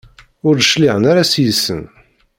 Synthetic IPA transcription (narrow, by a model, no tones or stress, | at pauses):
ʊɾəʃliʕənaɾasjəsːə̰n